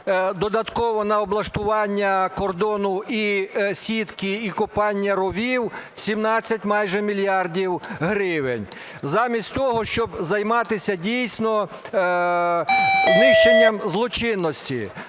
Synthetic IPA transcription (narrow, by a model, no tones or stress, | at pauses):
d̪ɔd̪ɐt̪kɔʋɔnɐɔblˠɐʃt̪ʊʋɑnʲːɐkɔrd̪ɔnʊisʲit̪kɪikʊpɑnʲːɐɾɔʋʲiwsʲimnɑt͡sʲːɐtʲmɑjʒɛmʲilʲjɑrdʲiwɦɾɪʋɪnʲ | zɑmʲisʲtʲt̪ɔɦɔʃt͡ʃɔbzɐjmɑt̪ɪsʲɐdʲijsʲnɔ | znɪʃt͡ʃenʲːɐmzlˠɔt͡ʃɪnːɔsʲtʲḭ